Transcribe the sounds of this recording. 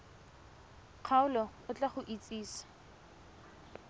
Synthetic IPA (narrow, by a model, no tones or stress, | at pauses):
q͡χʰaʊlɔʊt͡ɬaχʊʔit͡sʼiːsḁ